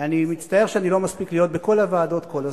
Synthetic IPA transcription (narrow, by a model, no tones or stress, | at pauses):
animitst̪ae̞ʁʃeanilo̞maspiklijo̞t̪̚beko̞lavaːdo̞tko̞laz